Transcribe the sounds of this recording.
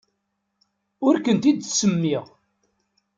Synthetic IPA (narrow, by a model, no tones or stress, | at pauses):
ʊɾkənt̪id̪səmːiʁ